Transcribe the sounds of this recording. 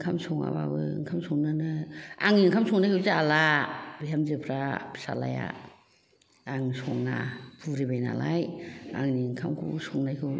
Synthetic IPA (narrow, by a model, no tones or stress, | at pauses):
ŋkʰamsɔŋa̰ba̰bɯŋkʰamsʰɔŋnanaaŋiŋkʰamsɔŋnajkʰɯwzaalab̥ijamzɯpʰɾabʰsa̰la̰ja̰ | ŋsɔŋna̰pʰuɾibajna̰lajaŋniŋkʰamkʰṵsɔŋnajkʰɯw